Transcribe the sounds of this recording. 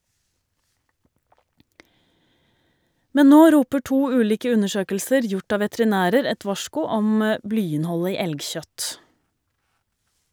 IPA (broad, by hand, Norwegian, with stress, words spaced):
ˈmɛn ˈnoː ˈɾuːpə ˈʈuː ˈʉːliːkə ˈʉnəˌʃøːkəlsəɾ ˈjʊʈ ˈɑː ʋɛtɾɪˈnæːɾəɾ ˈɛt ˈʋɑʃkʊ ˈɔm ə ˈblyːɪnˌhɔlə ˈiː ˈɛlɡˌçœt